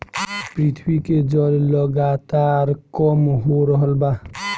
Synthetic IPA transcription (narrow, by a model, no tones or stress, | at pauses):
pɾit̪ʰbiked͡ʒəlləɡat̪aɾkɔmɦoɾəɦəlba